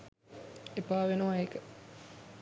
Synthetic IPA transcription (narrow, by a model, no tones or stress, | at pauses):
epaːʋenoʋaeːkə